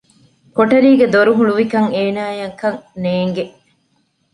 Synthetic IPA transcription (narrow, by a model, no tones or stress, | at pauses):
koʈɐɾiːɡed̪oɾuɦuɭuʋikɐŋeːnaːjɐŋkɐŋneːŋɡeʔ